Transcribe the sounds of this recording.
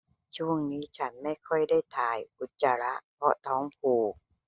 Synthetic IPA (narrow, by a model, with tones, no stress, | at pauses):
t͡ɕʰu˥˩əŋniː˦˥t͡ɕʰa˦˥nma˥˩jkʰɔ˥˩jda˥˩jt̪ʰaː˨˩jʔu˨˧˩t̪̚t͡ɕa˧ɾa˦˥ʔpʰɔ˦˥t̪ʰɔː˦˥ŋpʰuː˨˧˩